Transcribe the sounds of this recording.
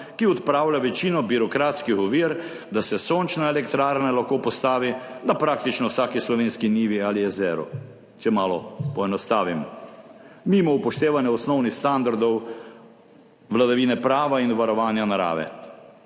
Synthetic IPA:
kiɔt̪pɾaːwlʲaʋɛt͡ʃiːnɔbiɾɔkɾaːt̪skixɔʋiːɾ | d̪asɛsoːnt͡ʃnaelɛkt̪ɾaːɾnalaxkoːpɔst̪aːʋid̪apɾak̚t̪it͡ʃnɔwsaːkislɔʋeːnskiniːʋialiɛzɛɾɔ̰ | t͡ʃɛmaːlɔpɔɛnɔst̪aːʋim | mimɔupɔʃt̪eːʋanjɛɔsnɔwnixst̪and̪aɾd̪ɔw | ʋlad̪aʋiːnɛpɾaːʋainʋaɾɔʋaːnjanaɾa̰ːʋɛ̰

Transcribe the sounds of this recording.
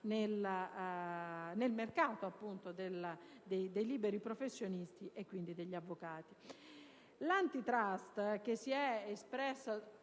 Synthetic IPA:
nel | nelmerkaːt̪oapːunt̪od̪el | d̪ejd̪ejliːbeɾipɾofesːjonist̪iʔekːwind̪id̪eʎːavːokaːt̪i | lant̪it̪ɾast̪k̟esːiɛespɾɛsːa

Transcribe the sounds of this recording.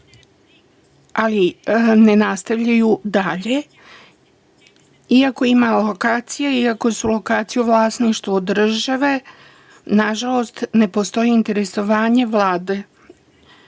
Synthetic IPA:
aline̞nast̪aʋʎajud̪aʎe | iako̞imalo̞kaːt̪sijaiako̞sulo̞kaːt̪sijuʋlˠaːsniʃt̪ʋod̪r̩ʒaʋe̞ | naʒalo̞st̪ne̞po̞st̪o̞jiːnt̪e̞ɾe̞so̞ʋaːɲe̞ʋlaːd̪e

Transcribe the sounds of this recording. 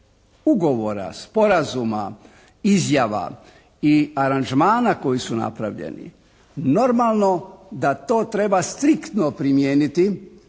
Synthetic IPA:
uɡo̞ʋo̞ɾa̰spo̞ɾazuma̰ | izjaʋa̰ | iaɾand͡ʒmaːnako̞jisuna̰pɾa̰ʋʎḛnḭ | no̞ɾmalˠno̞d̪at̪o̞ːt̪ɾe̞bast̪ɾikt̪nopɾimjeːnit̪i

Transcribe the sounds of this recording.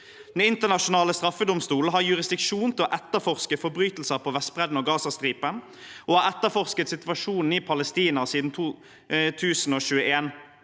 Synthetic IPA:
d̪̥ɛnɪnt̪əʁnɑʃʊnɑːləst̪ʁɑfːəd̪ʊmst̪uːl̩ɦɑʁjʉʁɪsd̪ɪkʃuːnt̪ʰɪɔʔɛt̪ːəfɔʁskəfɔɾbʁyːt̪l̩səpʰoːʋɛst̪bʁɛd̪n̩oːɡɑːsɑst̪ʁiːpən | oːhɑːʁɛt̪ːəfɔʁskət̪sɪt̪ʋɑʂuːnn̩iːpʰɑləst̪iːnɑsiːd̪n̩t̪ʰuː | t̪ʰʉːsn̩oːɕʉːəʔeːn

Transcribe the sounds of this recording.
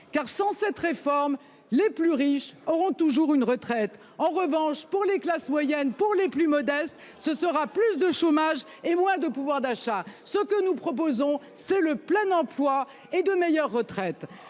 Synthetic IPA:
kaʁsɑ̃sɛt̪ʁefɔʁm | leplyʁiʃɔʁɔ̃t̪uʒuʁynʁət̪χɛt̪ | ɑ̃ʁəvɑ̃ʃpuʁleklasmwajɛnpuʁleplymɔd̪ɛst̪ | səsəʁaplys̬d̪əʃomaʒ | emwɛ̃d̪əpuvwaʁd̪aʃasəkənupχɔp̬ozɔ̃ | sɛləplɛnɑ̃plwa | ed̪əmejœʁːət̪χɛt̪

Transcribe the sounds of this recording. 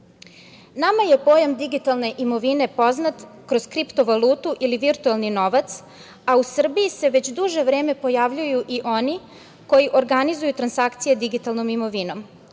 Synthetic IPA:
namaje̞po̞ːjamd̪iɡit̪alˠne̞ʔimo̞ʋine̞po̞znat̪kɾo̞zkɾipt̪o̞ʋalˠuːt̪uʔiliʋiɾt̪ualˠnino̞ʋat̪s | ausr̩bijise̞ʋe̞t͡ɕd̪uʒe̞ʋɾe̞ːme̞po̞jaʋʎujuʔiʔo̞ni | ko̞jiʔo̞ɾɡanizujut̪ɾansakt̪sije̞d̪iɡit̪alˠno̞mimo̞ʋino̞m

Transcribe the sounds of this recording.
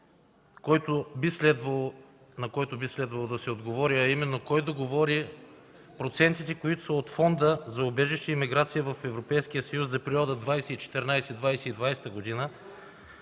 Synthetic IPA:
kɔjt̪obislɛd̪vɐlˠo | nɐkɔjt̪obislɛd̪vɐlˠod̪ɐsɛod̪ɡovɔɾiɐimɛnːokɔjd̪oɡovɔɾi | pɾot̪sɛnt̪it̪ɛkoit̪o̥sɐot̪fɔnd̪əzɐobɛʒɛʃt̪əimiɡɾat̪sijəvɐfɛvɾopɛjsk̟ijəsɐjuszɐpɛɾiɔd̪əd̪vajsɛit͡ʃɛ̥t̪ɛɾnajsɛd̪vajsɛid̪vajsɛ̥t̪əɡod̪inə

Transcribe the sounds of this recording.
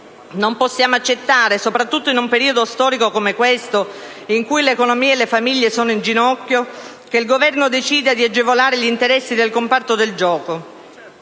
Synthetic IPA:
nomposːjaːmoat͡ʃːet̪ːaːɾesopɾat̪ːut̪ːoinumpeɾiːod̪ost̪ɔːɾikokomekwest̪o | iŋkujlekonomiːelːefamiʎːesoːnoind͡ʒinɔkːjo | k̟eilɡovɛrnod̪et͡ʃiːd̪ad̪iad͡ʒevolaːɾeʎint̪eɾɛsːid̪elkompart̪od̪eld͡ʒɔːko

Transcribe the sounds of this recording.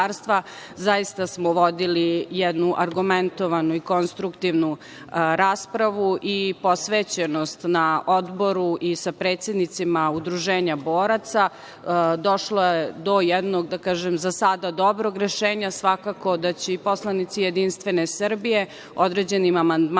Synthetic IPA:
aɾst̪ʋazajist̪asmoʋod̪ilijɛd̪nuʔaɾɡument̪o̞ʋanuiko̞nst̪ɾukt̪iʋnu | ɾaːspɾaʋuʔipo̞sʋeːt͡ɕenost̪naʔod̪bo̞ɾuʔisapɾe̞ːt̪sʲjed̪nit̪simaud̪ɾuʒe̞ːɲaboːɾat̪sa | d̪o̞ʃloed̪o̞jɛd̪noɡd̪akaːʒemzasad̪ad̪o̞bɾoɡɾeʃeːɲasʋakako̞d̪at͡ɕeipo̞slˠanit̪sijed̪inst̪ʋe̞ne̞srbije̞ | od̪ɾed͡ʑe̞nimamand̪m

